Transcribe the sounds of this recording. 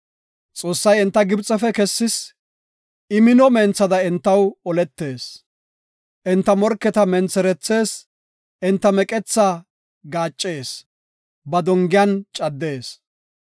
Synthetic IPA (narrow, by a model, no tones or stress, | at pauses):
t͡sʼo̞ːsːɐjɛnt̪ːɐɡɪbt͡sʼːɛfɛkɛsːɪs | ɪmɪnɔmeːnt͡sːɐd̪ɐɪnt̪ːɐwɔlɛt̪ːe̞ːs | ʔɪnt̪ːɐmɔɾkːɛt̪ɐmɛnt͡sːɛɾɛt͡sːe̞ːs | ʔɪnt̪ːɐmɛkʼɛt͡sːa | ɡaːt͡ʃʼːe̞ːs | bɐd̪ɔŋɡɪjɐnt͡ʃʼɐd̪ːe̞ːs